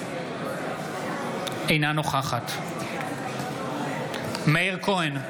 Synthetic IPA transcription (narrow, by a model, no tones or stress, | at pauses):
ʔe̞jnano̞χaχat̪ | meiʁkʰoen